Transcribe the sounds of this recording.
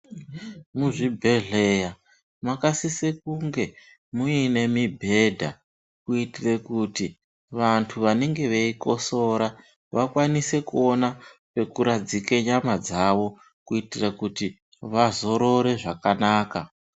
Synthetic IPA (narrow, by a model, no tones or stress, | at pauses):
muʐibʱe̞ɮeja | makasisekuŋɡe̞ | muine̞mibʱe̞dʱa̰ | kuitirekuti | ʋantʰuʋaneŋɡe̞ʋeiko̞so̞ɾa | ʋakwanise̞kuonape̞kuɾad͡zikeɲamad͡zaʋo̞ | kuitirakuti | ʋazo̞ɾo̞ɾe̞ʐakanaːka